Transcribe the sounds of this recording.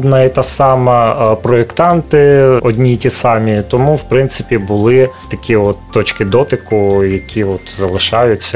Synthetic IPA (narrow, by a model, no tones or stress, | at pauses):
d̪nɑit̪ɑsɑmɐpɾɔekt̪ɑnt̪ɪɔd̪ʲnʲitʲisɑmʲit̪ɔmuwpɾɪnt̪sɪ̥pʲibʊlˠɪt̪ɐkʲiɔt̪ːɔt͡ʃkɪd̪ɔt̪ɪkʊjɐkʲʰiɔt̪zɐlˠɪʃɑjʊt͡sʲːɐ